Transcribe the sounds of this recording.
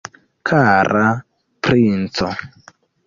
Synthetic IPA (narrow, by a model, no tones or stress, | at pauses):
kʰaɾʔa | pɾint͡sɔ